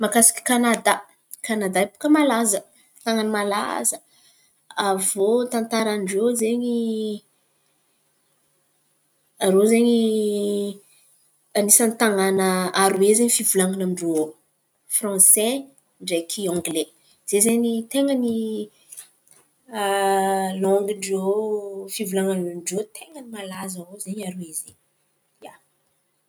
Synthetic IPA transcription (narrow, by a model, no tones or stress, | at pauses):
makasi̥kʲi̥kanad̪a | kanad̪aipu̥kəmalazə | t̪aŋanimala̰zə | avot̪ãnt̪aɾanɖ͡ʐezeɲi | aɾozeɲi | anisant̪aŋanəaɾuezeɲifivulaŋanamiɳɖ͡ʐo | frɑ̃sɛ | ɳɖ͡ʐekʰiɔ̃ŋɡle | z̥ezeɲit̪eŋəni | lɔŋɡiɳɖ͡ʐofivulaŋanamiɳɖ͡ʐot̪eŋənimalazavozeɲaɾuezeɲ | ja